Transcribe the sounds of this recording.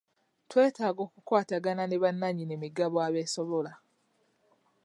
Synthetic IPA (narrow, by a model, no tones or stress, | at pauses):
twe̞ːtaːɡo̞ːkukwaːtaɡananeβanːaɲinemiɡaβoaβe̞ːsoβola